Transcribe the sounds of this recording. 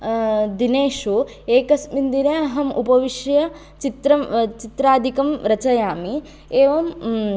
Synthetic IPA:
d̪ineːʃu | eːkɐsmind̪iɾaɐɦɐmʔṵpɐʋiʃjɐ | t͡ʃit̪ɾɐmt͡ʃit̪ɾaːd̪ʱikɐmɾɐt͡ʃɐjaːmi | eːʋɐm

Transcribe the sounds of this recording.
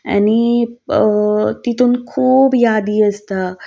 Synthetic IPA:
a̰ñi | t̪it̪uːnkʰuːbjad̪iːəst̪a

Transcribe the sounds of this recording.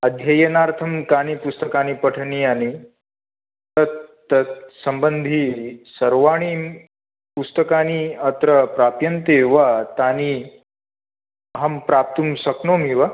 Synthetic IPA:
ɐd̪ʱjɐjɐnaːɾt̪ʰɐmkaːnipust̪ɐkaːnipɐʈʰniani | t̪ɐt̪ː | ɐt̪sɐmbənd̪ʱisɐɾʋaːɳ̃i | pust̪ɐkaːniɐt̪ɾɐpɾaːpjɐnt̪eʋat̪aːni | ɦɐmpɾaːp̚t̪umsɐknoːmiʋa

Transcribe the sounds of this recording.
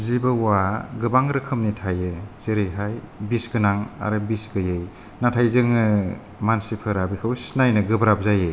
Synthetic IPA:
zibɯwaɡɯbaŋɾɯkʰɯmnitʰajɯz̥eɾɯjɦaj | bisɡɯnaŋa̰ɾɯbisɡɯjɯj | natʰajzɯŋɯ | mansipʰɯɾabikʰɯwsnajnɯɡɯbɾap̚zajɯ

